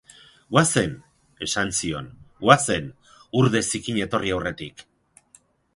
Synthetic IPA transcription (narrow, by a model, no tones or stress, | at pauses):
ɡwase̞n | e̞sansio̞nwase̞n | uɾðe̞sikiɲe̞t̪o̞riawre̞t̪ik